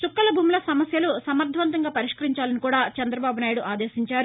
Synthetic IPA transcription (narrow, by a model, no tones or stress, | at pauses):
t͡ʃukːɐlɐbʱuːmulɐsɐmɐsjɐlusɐmɐɾt̪ʰʋɐnt̪ɐŋɡaːpɐɾiʂkɐɾiɲt͡ʃaːlɐnikuːɽaːt͡ʃɐnd̪ɾɐbaːbunaːjuɽuʔaːd̪eːsiɲt͡ʃaːɾu